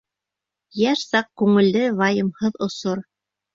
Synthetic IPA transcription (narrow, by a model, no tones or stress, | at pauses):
jæʃsɑq̚kʉŋɘ̆lːɘvɑjɤ̆mhɤðŏsoɾ